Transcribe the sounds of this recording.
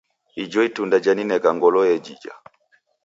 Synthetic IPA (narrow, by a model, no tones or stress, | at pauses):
id͡ʒɔitundad͡ʒaninɛkaŋɡɔlɔjɛd͡ʒid͡ʒa̰